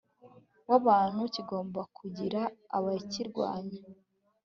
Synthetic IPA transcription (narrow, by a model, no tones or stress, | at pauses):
waβaːn̥huciɡo̞ːmbakʰuɟiɾa̰ːβaciɾɡwa̰ːɲa